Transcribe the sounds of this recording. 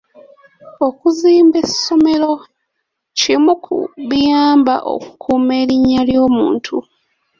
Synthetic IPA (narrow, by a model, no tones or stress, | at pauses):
o̞kuziːmbe̞so̞me̞lo̞ | cimukʰṵβijaːmba̰ʔo̰ku̥kʰuːme̞ːɾiɲːaljo̞ːmṵːntʰu